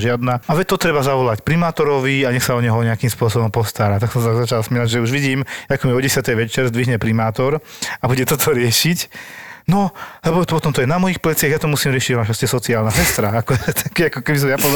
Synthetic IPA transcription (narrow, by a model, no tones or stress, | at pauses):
ʒɪad̪naaʋɛt̪ɔt̪ɾɛbazaʋɔlacpɾimaːt̪ɔɾɔʋiaɲɛxsaɔɲɛɦɔɲɛakimspʊɔsɔbɔmpɔst̪aɾaːt̪aksɔmsazat͡ʃalasmilaɟʒɛuʒʋiɟiːmjaːkɔmiɔɟɛsɪat̪ɛjʋɛt͡ʃɛɾzd̪ʋiɦɲɛpɾimaːt̪ɔɾabuɟɛt̪ɔt̪ʰɔɾɪɛʃicnɔlɛbɔpɔt̪ɔmt̪ɔjɛnamɔjixplɛt͡sɪaɣjat̪ɔmusiːmɾɪɛʃiɟɔmaʃascɛsɔt͡siaːlnasɛst̪ɾaakɔt̪ʰakiakɔkɛbis̬ɔmjapɔz